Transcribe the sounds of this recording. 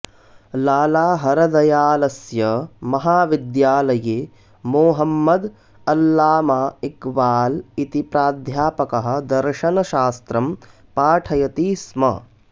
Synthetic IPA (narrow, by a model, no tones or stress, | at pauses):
laːlaːɦɐɾɐd̪ɐjaːlɐsjɐmɐɦaːʋid̪jaːlɐjeː | moːɦɐmːɐd̪ | ɐlːaːmaːikbaːlit̪ipɾaːd̪ʱjaːpɐkɐɦɐ̆d̪ɐɾʃɐnɐʃaːst̪ɾɐm | paːʈʰɐjɐt̪iːsmɐ̰